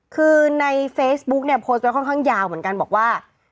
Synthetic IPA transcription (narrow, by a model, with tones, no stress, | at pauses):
kʰɯː˧na˧jfeː˦˥sbu˦˥k̚ni˥˩ɐpʰoː˧˦˥s̚wkʰɔ˥˩nkʰaː˥˩ŋjaː˧wmɯ˩˦ənka˧nbɔː˨˩k̚waː˥˩